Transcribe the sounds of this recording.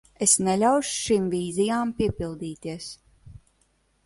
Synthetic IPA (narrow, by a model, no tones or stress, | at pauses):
esnɛlʲawʃu̥ʃimviːzijaːmpiɛpilˠd̪iːt̪iɛs